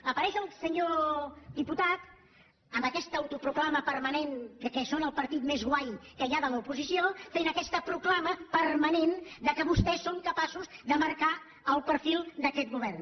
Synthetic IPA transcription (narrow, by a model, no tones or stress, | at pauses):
əpəɾɛʃəlˠsəɲod̪iput̪at̪ | əmbəkɛst̪əwt̪upɾuklaməpəɾmənenkəkɛsonəlˠpəɾt̪it̪mezɣwajkəjaðələupuzisiofenəkɛst̪əpɾuklaməpərmənend̪əkəβust̪ɛsːoŋkəpasuzd̪əməɾka | əlˠpəɾfilˠd̪əkɛt̪̚ɡuβ̞ɛrn